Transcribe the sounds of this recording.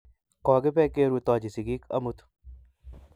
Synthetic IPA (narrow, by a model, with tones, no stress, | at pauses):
kɔː˨ɡe˦pɛ˦keː˦ɾut̪ɔːd͡ʒi˨si˨ɡi˦kɐ̰˦mut̪